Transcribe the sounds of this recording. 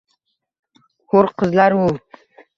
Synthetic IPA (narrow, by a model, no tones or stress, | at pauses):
hoɾqʰəzlaɾu